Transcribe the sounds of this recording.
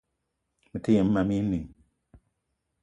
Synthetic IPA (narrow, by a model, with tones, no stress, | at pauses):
mi˨ti˦je˨m̩ː˦ma˨mi˦ni˨